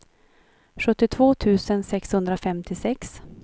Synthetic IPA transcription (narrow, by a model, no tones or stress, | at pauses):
ɧɵt̪ːɪt̪ʰvoːt̪ʰʉ̟ːsənsɛkshɵnd̪ɾafɛmt̪ʰɪsɛks